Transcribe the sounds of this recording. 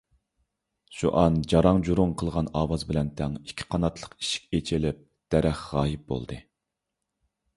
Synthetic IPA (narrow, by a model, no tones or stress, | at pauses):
ʃuʔɑnd͡ʒɑɾɑŋd͡ʒuɾumqʰəlˠʁɑnɑːwɑzbɪlɛnt̪ʰɛŋikʲʰːi̥qʰɑnɑt̪ʰlˠə̥qi̥ʃi̥kʲet͡ʃʰɪlɪp̚ | d̪̥ɛɾɛχʁɑːjip̚bo̰lˠd̪ɨ